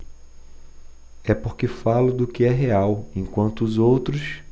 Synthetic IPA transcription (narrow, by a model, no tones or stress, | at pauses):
ɛpoɾkɪfalʊd̪ʊkɪɛɦeawẽkwɐ̃nt̪ʊːzowt̪ɾʊs